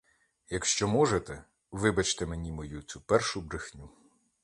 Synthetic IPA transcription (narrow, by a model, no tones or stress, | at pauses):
jɐkʃt͡ʃɔmɔʒet̪ɛ | ʋɪbɐt͡ʃt̪ɛmenʲimɔjut̪t͡sʲupɛrʃʊbɾɪxnʲu